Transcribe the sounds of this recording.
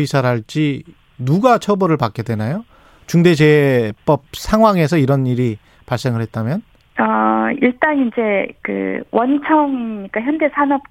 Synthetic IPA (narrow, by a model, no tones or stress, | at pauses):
isʰaɾɦaɭt͡ɕ͈i | nuɡat͡ɕʰʌbʌɾɯɭpak͈e̞dwe̞najo | t͡ɕuŋde̞d͡ʑe̞p͈ʌp̚sʰaŋɦwaŋe̞sʰʌiɾʌniɾi | paɭs͈e̞ŋɯɭhɦe̞t̚t͈amjʌn | ʌiɭt͈aŋind͡ʑe̞kɯ̰wʔʌnt͡ɕʰʌŋiɲik͈açjʌnde̞sʰanʌp̚